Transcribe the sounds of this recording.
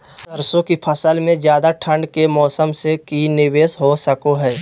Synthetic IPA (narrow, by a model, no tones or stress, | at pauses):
səɾsõkipʰəsəlmẽzjaːd̪aʈʰəɳɖkemɔːsəmsekinɪʋeːsɦosəkoɦɛː